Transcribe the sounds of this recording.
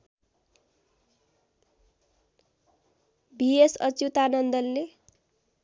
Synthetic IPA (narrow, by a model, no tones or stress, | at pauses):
biesʌt͡sjut̪anʌnd̪ʌlle